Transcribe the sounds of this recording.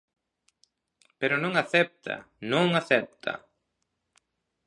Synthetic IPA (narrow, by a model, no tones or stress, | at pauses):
peɾʊnõŋaθɛp̚t̪ʰɐ̰ | nõŋaθɛp̚t̪ʰɐ̰